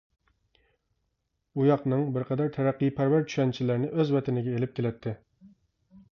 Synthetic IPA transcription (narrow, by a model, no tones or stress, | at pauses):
ujɑqnɨŋbɪɾqʰɛd̪æɾt̪ʰɛɾæqːijpʰæɾvæɾt͡ʃʰy̥ʃɛnt͡ʃʰilɪɾnɪʔøzvɛt̪ɪnɪɡʲɛelɪp̚t̪ʲʰɪlɛt̪ʰːɪ